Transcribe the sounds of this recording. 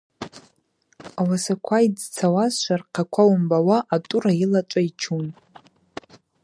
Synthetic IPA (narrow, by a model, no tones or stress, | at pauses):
awasakʷʰaid͡zt͡sʰawazʃʷarqʰakʷʰawʊmbawaʔatʼurailat͡ʃʷʼait͡ʃʰun